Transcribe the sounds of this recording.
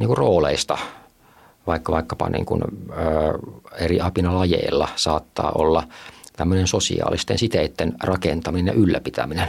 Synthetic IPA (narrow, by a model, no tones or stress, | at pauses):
niːŋkurroːlḛist̪ɑ | ʋɑikːɑʋɑikːɑpɑ̰nḭːŋkṵnəːeriɑpinɑlɑjḛilːɑsɑːt̪ːɑ̰ːʔolːɑt̪æmːønensosḭɑ̰ːlist̪ḛnsit̪eit̪ːenrɑkent̪ɑminenjɑ̰ʔylːæpit̪æ̰minen